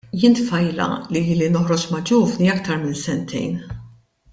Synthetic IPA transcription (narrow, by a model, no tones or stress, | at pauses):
jɪnt̪fɐjlɐ̰lilinɔħɾɔt͡ʃmɐd͡ʒuːvniɐkt̪ɐɾmɪnsɛnt̪ʰɛ̰jn